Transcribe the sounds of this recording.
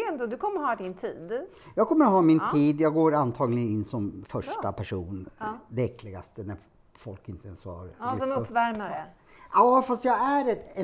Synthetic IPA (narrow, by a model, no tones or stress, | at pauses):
ɛnd̪od̪ɵkʰɔmːəɾɦɑd̪ɪnt̪ʰiːd̪ | jɑːɡkʰɔmːəɾɔɦɑːmɪnt̪ʰiːd̪jɑːɡɡoːɾant̪ʰɑːɡlɪɡənɪnːsɔmfœʂapʰæʂuːnd̪ɛɛkʰːlɪɡa̰st̪ənæɾ | fɔlkɪnt̪əɛnsɔha̰ɾdɔmɵpːvæɾmaɾɛ | ɑːfast̪jɑːɡæɾɛt̪ɛ